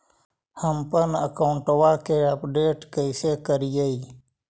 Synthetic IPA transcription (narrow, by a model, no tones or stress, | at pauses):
həmpənəkawuɳʈəwaːkeapɖeːʈkəisekəɾijəi